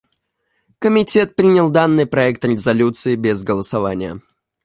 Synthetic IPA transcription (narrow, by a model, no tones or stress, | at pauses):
kəmʲɪtʲe̞t̪̚pɾʲinʲɪlˠd̪anːɨjpɾɐɛk̚t̪ɾʲɪzɐlʲut̪sɨɪbʲɪzɡəlˠəsɐvanʲɪjə̰